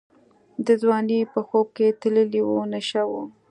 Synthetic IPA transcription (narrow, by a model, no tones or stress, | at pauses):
d̪əzwɑnepəxob̚ket̪ləliwunaʃawu